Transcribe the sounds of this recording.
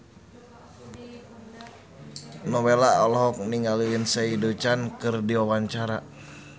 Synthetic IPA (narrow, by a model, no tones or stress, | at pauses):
nɔwɛlaɔlɔɦɔk̚niŋɡaliwinsɛidut͡ʃankɨrdiwɔwaɲt͡ʃaɾa